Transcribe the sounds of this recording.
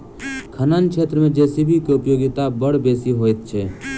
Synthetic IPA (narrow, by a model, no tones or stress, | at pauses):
kʰənankʃʰeːt̪ɾəmẽd͡ʒɛːsibʱikeʊpjoːɡɪt̪abəɽ̤beːsiɦoːjt̪̚t͡ʃʰeː